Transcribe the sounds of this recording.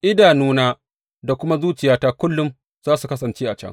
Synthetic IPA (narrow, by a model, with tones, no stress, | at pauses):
ʔɪ˦daː˨nuː˦naː˦ | da˨kʷʊ˦ma˦zuː˦t͡ʃɪ˨jaː˦taː˦kʷʊ˦lːʊ˦m | z̥aː˦su˨kɐ˦sɐ˨nt͡ʃeː˦ʔa˨t͡ʃɐ̰˦ŋ